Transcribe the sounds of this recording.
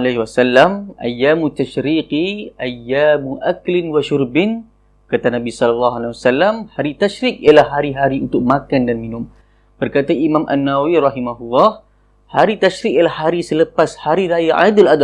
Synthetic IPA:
laɦiwasalːamʔa̰jːamut̪ːaʃɾiqiʔajːamuʔaklɪnwaʃʊrbɪn | kat̪anabisɔlalːɑɦalawasalːamhaɾit̪aʃɾik̚ijalahːaɾiɦaɾiunt̪ʊk̚mãkandanminʊm | b̥ərkat̪aʔimãmʔa̰nːawawiɾɑɦimaɦulːɑh | haɾit̪aʃɾik̚ialahːaɾisələpashaɾiɾajaʔa̰d̪ʊlad̪a

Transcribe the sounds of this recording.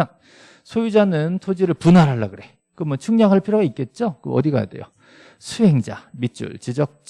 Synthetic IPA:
a | sʰojud͡ʑanɯntʰod͡ʑiɾɯɭpunaɾɦaɭːaɡɯɾe̞ | kɯmʌt͡ɕʰuŋɲaŋɦaɭpʰiɾjoɡaik͈e̞t̚t͡ɕ͈okɯ̰ʌ̰diɡa̰ja̰de̞̰jo̰ | sʰuɦeŋd͡ʑa̰mit͡ɕ͈ṵɭt͡ɕid͡ʑʌk̚t͡ɕ

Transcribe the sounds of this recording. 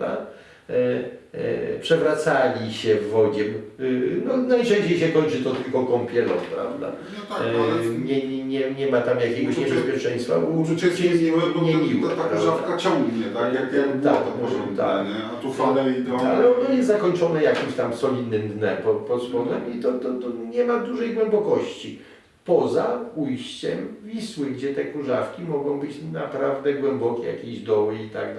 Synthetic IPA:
a̰ | pʂɛvɾat̪salʲiɕɛvːɔd͡ʑɛmnɔnajʂɛ̃ɲ̃ɕt͡ɕejɕɛkɔɲ̃t͡ʂɨt̪ɔt̪ɘlkɔ̃kɔmpʲjɛlɔ̰̃wpɾa̰vd̪a̰ | t̪aɲɛɲɛɲɛɲɛmat̪amjakʲɛɡɔɕɲɛbɛspʲjɛt͡ʂɛ̃j̃st̪fa̰ɛt͡ɕɛmɲɛɲʲiw̪aɾɔʒafkat͡ɕɔ̃ŋɡɲɛt̪akakat̪ak̪ɔt̪a̰ɛat̪ufanɛid̪ɛalɛɔnɔjɛst̪zakɔɲt͡ʂɔnɛjakʲimɕt̪amsɔlʲid̪nɘmd̪nɛpɔpɔzwɔd̪ɛmit̪ɔt̪ɔt̪ɔɲɛmad̪uʐɛjɡwɛmbɔkɔɕt͡ɕi | pɔzaujɕt͡ɕɛmvʲiswɘɡd͡ʑɛt̪ɛkuʐafkʲimɔɡɔ̃w̃bɘt͡ɕnapɾavd̪ɛɡwɛmbɔkʲɛja̰kʲeʑd̪ɔwɘit̪a̰ɡd̪

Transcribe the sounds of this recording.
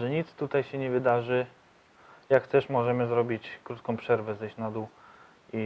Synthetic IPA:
ʐɛɲit̪st̪ut̪ajɕɛɲɛvɘd̪aʐɘ | jakt̪ɛʂmɔʐɛmɘzɾɔbʲit͡ɕkɾut̪kɔ̃w̃pʂɛɾvɛzɛɕnad̪u | i

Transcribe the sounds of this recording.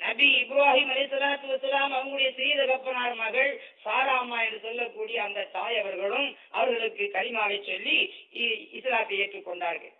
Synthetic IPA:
nɐbiɪbɾaːɦiːmɐɾɛːsɐlaːt̪ːɯʋɐsɐlaːmɐʋɐŋɡʊɽɐjɐsɪðɐʋɐpːɐnaːɾmɐɣɐɭsaːɾaːmaːɛndrɯsɔlːɐkːuːɽɪjɐːnd̪ɐt̪ːaːjɐʋɐɾɣɐɭɯm | ɐ̰ʋɐɾɣɐɭɯkːɯkɐlɪmaːɣɐɪt͡ʃːɔlːi | ɪsɾaːt̪ːɐeːʈrɯkːɔɳɖaːɾɣɐ̰ɭ

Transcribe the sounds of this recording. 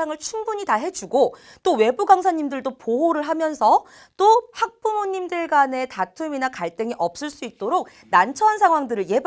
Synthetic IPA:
aŋɯɭt͡ɕʰuŋbuɲitaɦe̞d͡ʑuɡo | t͈owe̞buɡaŋsʰaɲːimdɯɭdopoɦoɾɯɭɦamjʌnsʰʌ | t͈ohak̚p͈umoɲːimdɯɭɡane̞tatʰuminakaɭt͈ɯŋiʔʌp̚s͈ɯɭs͈uit̚t͈oɾok̚ | nant͡ɕʰʌɦansʰaŋɦwaŋdɯɾɯɭje̞b

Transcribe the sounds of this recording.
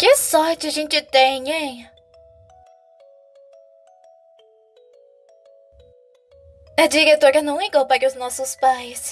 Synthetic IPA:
kɪsɔɾt͡ʃɪɐʒẽnt͡ʃɪt̪ẽj̃ẽj̃ | ɛd͡ʒiɾet̪oɾɐnɐ̃w̃iɡowpakɪʊznɔsʊspajs

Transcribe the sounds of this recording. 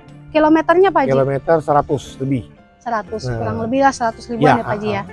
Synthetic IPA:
kilomet̪ərɲapad͡ʒiilomet̪ərsəɾat̪ʊsləbɪh | səɾat̪ʊskuɾaŋləbɪhlahsəɾat̪ʊsɾibjuanaad͡ʒija

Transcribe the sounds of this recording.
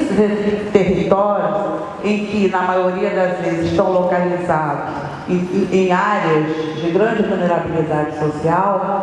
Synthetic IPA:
sɪt̪eɦit̪ɔɾjʊs | ẽj̃kɪnɐmajoɾiɐd̪ɐzvezɪʃt̪ɐ̃w̃lokalizad̪ʊs | ẽj̃aɾeɐzd͡ʒɪɡɾɐ̃d͡ʒɪvulneɾabilid̪ad͡ʒɪsosiaw

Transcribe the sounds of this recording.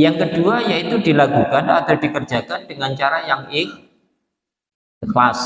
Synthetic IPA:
jaŋkəd̥uajait̪udilaɡukanad̪̥awd̥ikər̥d͡ʒ̥a̤kandəŋant͡ʃaɾajaŋɪŋ | xlas

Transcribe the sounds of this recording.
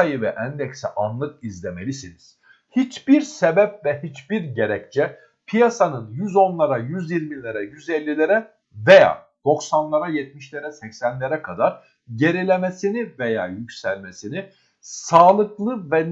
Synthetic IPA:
ajɯvɛʔænd̪ɛcsɛʔanlˠɯk̚izlʲemelʲisiniz̥ | hit͡ʃbiɾsebɛp̚vɛhit͡ʃbiɾɟeɾɛct͡ʃʰɛ | pʰijasanɯnjyzo̞nlˠaɾajyzjiɾmilʲeɾɛjyzɛlʲːilʲe̞ɾɛ | veja̰ː | d̪̥o̞ksanlˠaɾajɛt̪̚miʃlʲe̞ɾɛsɛcsænlʲeɾɛkʰad̪aɾ | ɟe̞ɾilʲe̞mesiniveja̰ːjycsælʲmesini | saːlˠɯklˠɯvɛn

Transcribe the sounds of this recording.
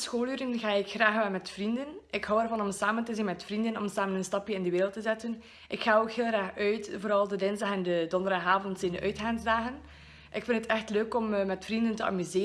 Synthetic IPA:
sxoːlˠyːɾənɣaːɪkxraːxʋɛlˠmɛtfrindənɪkɦɔwɛrvɑnɔmsaːməntəzinmɛtfrindənɔmsaːmənənstɑpjəɪndəʋeːɾəlˠtəzɛtən | ʔɪkxaːoːkɦeːlˠraːxœɥtvoːɾɑlˠdədɪnzdɑxɛndədɔndəɾdɑxaːvɔntsɪndəʔœɥtxaːnzdaːɣən | ʔɪkfɪndətɛxtløːkɔmmɛtfrindəntəɑ̰myzeː

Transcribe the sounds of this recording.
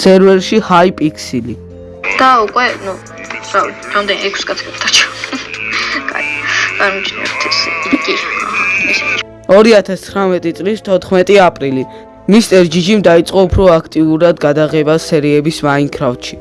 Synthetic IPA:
sɛɾvɛɾʃihaipʼikʰsili | d̪̥aukʼwɛnu | ɾaɾamd̪ɛnɛkʰsɡʼat̪sʰkɛkt̪ʰat͡ʃʰa | kʼa̰vaɾmit͡ʃʰnɛ̰bt̪ʰɛsikʼimɛst͡ʃ | ɔɾiat̪ʰast̪sʰχɾamɛt̪ʼit̪sʼlist̪ʰɔt̪ʰχmɛt̪ʼiapʼɾili | mist̪ʼɛɾd͡ʒid͡ʒimd̪ait̪sʼqʼɔupʰɾɔakʰt̪ʼiuɾad̪ɡad̪aʁɛbasɛɾiɛbisvaiŋkʰɾaft̪ʃi

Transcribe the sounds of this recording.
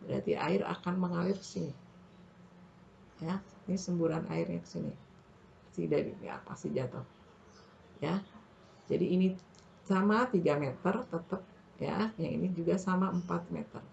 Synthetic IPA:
bəɾa̰t̪ḭʔa̰ɪɾa̰kanməŋalɪrkə̥sinɪ | ja | nisəmbuɾanʔa̰ɪrɲakə̥sinɪ̰ | sidadḭnḭa̰pa̰sid͡ʒat̪ʊh | ja | d͡ʒadiːni | samat̪iɡamet̪ərt̪ət̪əp̚ | ja̰jaḭnid͡ʒuɡasamaəmpat̪̚mḛt̪ə̰r

